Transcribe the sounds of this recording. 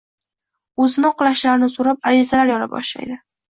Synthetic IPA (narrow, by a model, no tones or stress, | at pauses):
ɵzɪnɪqlˠaʃlaɾɪnɪsoɾap̚aɾɪzalaɾjɒla̰bɒ̰ʃla̰jd̪ɪ